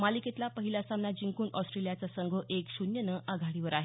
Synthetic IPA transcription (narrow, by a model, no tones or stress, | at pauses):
maliket̪lapəɦilasamnad͡ʑiŋkuːnʔɔsʈɾelijat͡sasəŋɡʱəʔekɕunjənəʔaɡʱaɽiʋəɾaɦe